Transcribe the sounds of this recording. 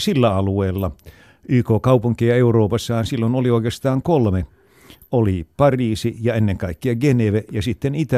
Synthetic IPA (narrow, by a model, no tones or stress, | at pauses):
silːæɑlueːlːɑ | yːkoːkɑupuŋkiɑeuroːpɑsːɑhɑnsilːonolioˑikest̪ɑːŋkolme | ʔolipɑriːsijɑenːeŋkɑikːiɑɡeneʋejɑsit̪ːenit̪æ